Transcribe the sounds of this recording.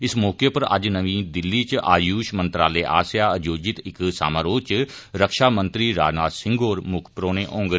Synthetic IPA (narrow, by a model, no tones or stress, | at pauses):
ɪsmɔːkepəɾɐ̰d͡ʒnəʋĩːd̪ɪlːiːt͡ʃʔaːjuːʃmə̃nt̪ɾaːleːʔa̰ːsjaːəd͡ʒoːd͡ʒɪt̪ɪksa̰ːmaːɾoːt͡ʃ | ɾəkʃaːmə̃nt̪ɾiːɾa̰ːd͡ʒnaːd̪sɪ̃ŋɡoːɾmʊkʰpɾoːnẽːʔɔ̃ːŋɡ